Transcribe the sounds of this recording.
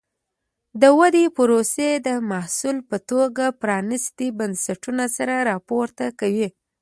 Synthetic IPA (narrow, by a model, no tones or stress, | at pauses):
d̪əwad̪epʊɾosed̪əmahsulpət̪oɡapɾɑnɪst̪ibansaʈunasaɾaɾɑpoɾt̪akawi